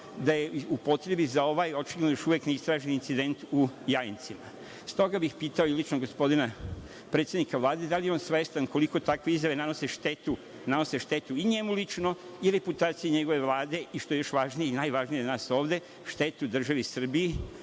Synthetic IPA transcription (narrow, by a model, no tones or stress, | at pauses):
d̪ajeupo̞t̪ɾe̞bizao̞ʋajo̞t͡ʃiɡled̪nojoʃuʋjekneist̪ɾaːʒenint̪sid̪e̞nt̪ujajint̪sima | st̪o̞ɡabixpiːt̪ao̞ilˠit͡ʃnoɡo̞spo̞d̪ina | pɾet̪sʲjed̪nikaʋlˠaːd̪e̞d̪alijeo̞nsʋest̪anko̞liko̞t̪akʋe̞izjaʋe̞nano̞seʃt̪e̞t̪u | nano̞se̞ʃt̪e̞t̪uiɲe̞mulit͡ʃno̞ | iɾe̞put̪aːt̪sijeɲe̞ɡo̞ʋe̞ʋlˠaːd̪e̞iʃt̪oe̞jo̞ʃʋaʒnijeinajʋaʒnijenaːso̞ːʋd̪e̞ | ʃt̪e̞t̪ud̪r̩ʒaʋisr̩bii